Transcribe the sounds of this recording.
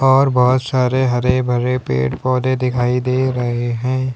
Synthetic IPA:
ɔːɾbɔɦʊt̪saːɾeɦɐɾebʱɐɾepḛːʈpɔːd̪ed̪ɪkʰaːid̪eːɾɐɦeɦɛ̃ː

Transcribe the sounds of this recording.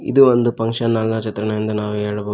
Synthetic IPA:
ḭd̪uʋond̪upɐŋkʂɐnːɐlnɐt͡ʃɐt̪ɾɐɳɐjind̪ɐnaːʋuɦeːɽɐboː

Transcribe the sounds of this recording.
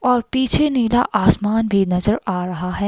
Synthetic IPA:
ɔːɾpiːt͡ʃʰeniːla̰ʔaːsmaːnbʱinɐzəɾaːɾɐɦaɦɛː

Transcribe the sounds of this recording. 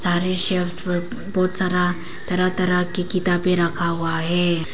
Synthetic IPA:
saɾeɕefsʋə | bɔːt̪saɾa | t̪ɐɾat̪ɐɾakikit̪apeɾəkʰaʋaɦe

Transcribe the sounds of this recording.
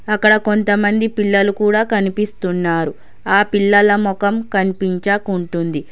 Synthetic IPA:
ɐkːɐɽɐko̞nt̪ɐmɐnd̪ipiɭːɐlukuːɽaːkɐnipist̪unːaːɾu | aːpilːɐlɐmɔkɐmkɐnipiɲt͡ʃaːkuɳʈund̪i

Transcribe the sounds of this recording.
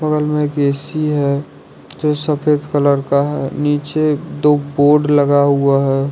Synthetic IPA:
pəɡəlmẽɡeːsiɦɛ | d͡ʒoːsəpʰeːd̪kələɾkaɦɛ̰niːt͡ʃed̪oːboːɖləɡaɦuaɦɛː

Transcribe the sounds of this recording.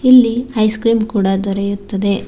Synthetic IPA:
ilːiɐjskɾiːmkuːɽɐd̪ɔɾɛjut̪ːɐd̪e̞

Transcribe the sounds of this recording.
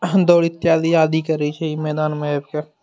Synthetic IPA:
d̪oːɽɪt̪ːjaːd̪iaːd̪ikəɾiit͡ʃʰeimɛːd̪aːnmẽbke

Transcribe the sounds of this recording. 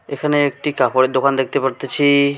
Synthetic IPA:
ekʰaneek̚ʈikapʰoɽed̪okʰand̪ek̚ʰt̪epəɾt̪et͡ɕʰi

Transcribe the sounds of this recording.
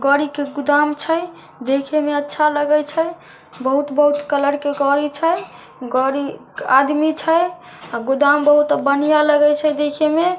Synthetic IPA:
ɡɔɾikeɡud̪amt͡ʃʰəj | d̪ekʰemeətːʃʰaləɡəjt͡ʃʰə | bəɦut̪bəɦut̪kələɽkeɡɔɾit͡ʃʰəj | ɡɔɾi | ad̪mit͡ʃʰəj | aɡud̪ambəɦut̪bənijaləɡəjt͡ʃʰəd̪ekʰeme

